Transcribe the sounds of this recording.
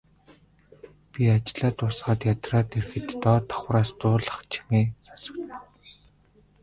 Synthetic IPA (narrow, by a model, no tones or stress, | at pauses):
pʲiat͡ɕɪɮaːt̪ʊːsχaːt̪jat̪raːt̪erxɘ̆t̪ːɔːt̪ʰɔ̥χwraːst̪ʊːɮə̆χt͡ɕʰi̥meːsasə̆kt̪ː